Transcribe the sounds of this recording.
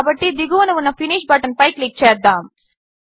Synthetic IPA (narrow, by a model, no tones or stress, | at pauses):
bɐʈːid̪iɡuʋɐnɐʋunːɐfiniːʃbaːʈɐnpɐjklik̚t͡ʃeːɾd̪aːm